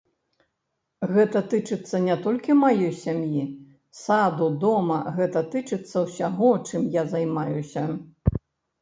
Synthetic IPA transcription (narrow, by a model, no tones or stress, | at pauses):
ɣɛt̪ɐt̪ɨt͡ʂɨt̪sːɐnʲɛt̪ɔlʲkʲimajɔjsʲamji | sad̪ud̪ɔmɐɣɛt̪ɐt̪ɨt͡ʂɨt̪sːɐwsʲaɣɔt͡ʂɨmjazajmajusʲɐ